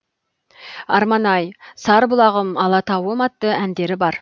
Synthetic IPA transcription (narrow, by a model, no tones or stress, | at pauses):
ɑɾmɑnɑjsɑɾbʊlˠɑʁəmɑlˠɑt̪ʰɑwəmɑt̪ːəænd̪e̞ɾɪbɑɾ